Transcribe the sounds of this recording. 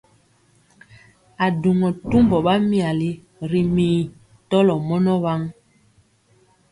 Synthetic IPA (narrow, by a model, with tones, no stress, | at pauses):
a˨du˨ŋɔ˨tu˦mbɔ˨ɓa˦mi˦˨a˨li˨ | ɾi˨miː˨ | tɔ˦lɔ˨mɔ˦nɔ˦βa˦ŋ